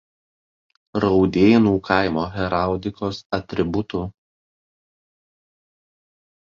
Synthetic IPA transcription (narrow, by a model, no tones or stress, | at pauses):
ɾɒʊd̪ʲeːjnuːkʰɑɪmoːɣʲɛɾɑˑʊd̪ʲɪkoːsɐt̪ʲɾʲɪbʊt̪ʊ